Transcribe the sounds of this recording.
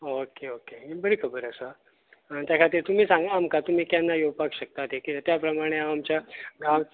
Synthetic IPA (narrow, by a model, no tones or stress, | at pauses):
okeokeibəɾikʰəbəɾəsəa | t̪jakʰat̪iːɾt̪um̤iːsãŋɡaːmkat̪um̤iːkjanːajopakɕək̚t̪at̪ɦekit̪ət̪japɾəmaɽ̃eaamt͡ɕjaɡam